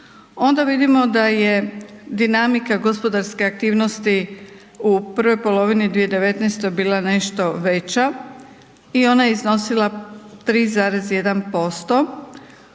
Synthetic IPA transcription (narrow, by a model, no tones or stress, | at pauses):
o̞nd̪aʋid̪imo̞d̪aje̞d̪inamikaɡo̞spo̞d̪aɾske̞ak̚t̪iːʋno̞st̪i | upr̩ʋo̞jpo̞lo̞ʋinid̪ʋije̞d̪e̞ʋe̞t̪nɛjst̪obiːlˠane̞ʃt̪o̞ʋe̞t͡ɕa | io̞najeizno̞silˠat̪ɾiːzaːɾe̞zje̞d̪anpo̞st̪o̞